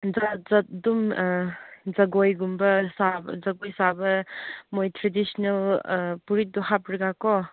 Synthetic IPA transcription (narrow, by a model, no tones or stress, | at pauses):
zazɐdum | zɐɡojɡumbɐsabzɐɡojsabɐmojtʰɾedisnelpuɾit̚dɔɦapɾiɡakɔ